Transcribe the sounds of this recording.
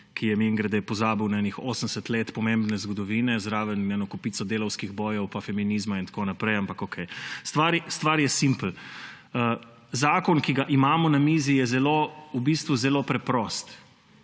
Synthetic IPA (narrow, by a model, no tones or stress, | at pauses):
kʰijɛmiŋɡɾad̪ɛpɔzaːbiwnaɛnixoːsənsət̪leːt̪pɔmembnɛzɡɔd̪ɔʋiːnɛzɾaːʋənɛnɔkupiːsɔd̪eːlɔwskiɣbɔːjɛwpafɛminiːzmaint̪konapɾɛjampakokʰɛjst̪ʋaːɾst̪ʋaɾjɛsimpl̩ | ə | zaːkɔnkiɡaʔimaːmɔnamiːzijɛzɛloubist̪ʋuzɛlopɾɛpɾɔst̪